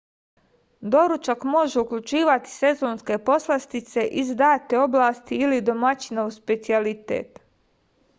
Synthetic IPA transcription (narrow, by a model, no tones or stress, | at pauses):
d̪o̞ɾut͡ʃakmo̞ʒeukʎʲut͡ʃiːʋat̪i̥se̞zoːnske̞po̞slˠast̪it̪se̞ʔizd̪aːt̪eo̞blˠaːst̪iːlid̪o̞mat͡ɕinouspe̞t̪sialit̪ḛːt̪